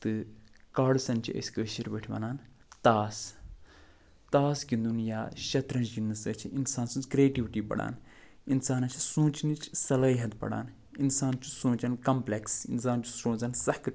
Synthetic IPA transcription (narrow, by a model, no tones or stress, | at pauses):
t̪ɨkaːɽsɐnt͡ʃʰiə̰sʲkəːʃiɾbɐʈʰʲʋɐ̰naːn | t̪aːs | t̪aːsɡind̪unjaːʃɐt̪ɾɐnt͡ʃɡinːɨsɐt͡ʃʰiinsaːnsunt͡sɡɾeːʈiʋiʈiːpɐ̰ɽa̰ːn | insaːnɐt͡ʃʰi̥sũːt͡ʃinit͡ʃʰsɐlaːɦɐt̪pɐ̰ɽa̰ːn | insaːnt͡ʃʰu̥sũːt͡ʃɐnkɐmpleksḭnsaːnt͡ʃʰu̥sɾõːnzɐnsɐhk